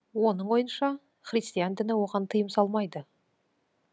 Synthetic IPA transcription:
wo̞nəɴwo̞jənʃɑ | χrʲijst̪ijand̪ɪnɪwo̞ʁɑnt̪ʰəjəmsɑlˠmɑjd̪ə

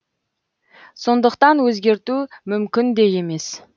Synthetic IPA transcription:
so̞nd̪əqt̪ɑnwɵzɡʲe̞ɾt̪umʏmkʲɪnd̪e̞je̞me̞s

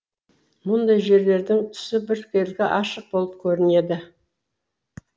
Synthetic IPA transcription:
mʊnd̪ɑjʒe̞ɾle̞ɾd̪ɪŋt̪ʰʏ̥sɪbɪɾkʲʰe̞lɡʲɪʔɑʃəq̚bo̞lˠəp̚kʲʰɵɾɪne̞d̪ɪ

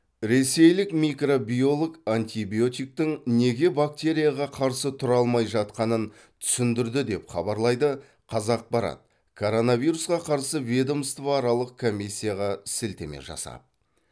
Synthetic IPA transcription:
ɾe̞se̞jlɪkmikro̞bijo̞lˠoɡant̪ʲibijo̞t̪ʲijk̚t̪ɪŋne̞ɡʲe̞bak̚t̪ʲe̞ɾʲijaʁɑqʰɑɾsət̪ʰʊɾɑlˠmɑjʒɑt̪qɑnən | t̪ʰʏ̥sɪnd̪ɪɾd̪ɪd̪e̞pχɑbɑɾlˠɑjd̪ə | qʰɑzɑq̚bɑɾɑ̰t̪̚ | kʰo̞ɾo̞naviɾusqɑqʰɑɾsəved̪omst̪vaɾɑlˠəq̚kʰo̞mʲːisʲːijaʁɑsɪlt̪e̞̰mḛʒɑ̰sɑ̰p̚

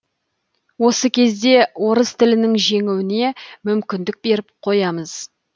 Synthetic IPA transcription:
wo̞səkʲʰe̞zd̪e̞wo̞ɾəst̪ʰɪlɪnɪŋʒe̞ŋɪwɪne̞mʏmkʲɪnd̪ɪk̚be̞ɾɪp̚qʰo̞jɑməz̥

